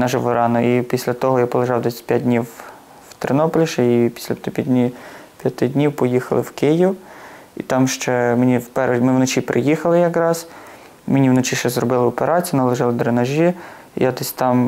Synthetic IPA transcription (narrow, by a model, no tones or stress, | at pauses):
nɐʒɪʋɔɾɑnɔipʲisʲlʲɐt̪ɔɦɔjapɔlˠeʒɑwd̪ɛsʲɐ̥tʲpʲjad̚ʲdʲnʲiw | wt̪ɾenɔpɔlʲɪʃɛipʲi̥sʲlʲɐt̪pʲjdʲnʲipʲjɐt̪ɪdʲnʲiwpɔjixɐlˠɪ̰wkɪjiw | ḭt̪ɑmʃt͡ʃɛmenʲiwpɛɾemɪwnɔt͡ʃipɾɪjixɐlˠɪjɐkɾɑz̥ | menʲiwnɔt͡ʃiʃt͡ʃɛzrɔbɪlˠɪɔpeɾɑt͡sʲijnɐlˠeʒɪlˠɪd̪ɾenɐʒʲḭ | jad̪ɛsʲt̪ɑm